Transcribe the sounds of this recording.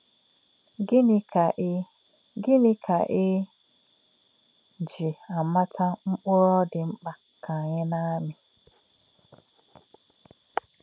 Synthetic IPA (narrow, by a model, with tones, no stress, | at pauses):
ɡɪ˦n˦ka˨˦ | ɡɪ˦nɪ˦kʰa̰˨ʔɪ˦˨ | d͡ʒi˨a˨ma˦tʰa˦ŋ͡m̩˦k͡pʊ˦ɾɔ˦dɪ˨ŋ͡m̩˦k͡pa˨ | ka˨ɲɪ˦na˦mɪ˨